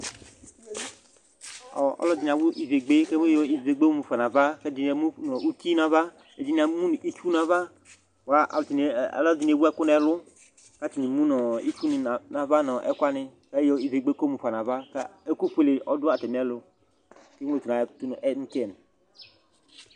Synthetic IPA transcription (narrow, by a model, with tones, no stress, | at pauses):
ɔ̰˨ɔ̰˦lɔ˦di˨na˨wu˦ʔi˨ve˨ɡ͡be˦ke˦mu˦jɔ˨i˨ve˨ɡ͡be˦mu˨fa˨na˨va˦kɛ˦d͡ʒi˨n˨e˨mu˦nɔ˨u˦ki˦na˨va˦ | e˨d͡ʒi˨n˨a˨˦mu˦n˨i˦t͡ʃu˦na˨va˦ | wa˨˦ʔa̰˨lʊ˨t͡ʃḭ˨˦lɔ˦di˨n˨e˨wu˦ɛ˦kʊ˦n˦ɛ˨lʊ˦ | ka˦t͡ʃi˨ni˨mũ˦nɔ˨ḭ˦t͡ʃu˦n˨na˨va˦nɔ˨ʔɛ̰˦kʷa˦nɪ˨ | ka˦jɔ˨i˨ve˨ɡ͡be˦ko˦mu˨fa˨na˨va˦ka˦e˦ku˦ɸʷe˦le˨ʔɔ˦dʊ˦a˨tɛ˨m˨˦ɛ˦lʊ˨˦ | ke˦o˨tu˨na˨˦tu˦n˨ʔɛ˦ŋ̩˦kɛ˦˨n˨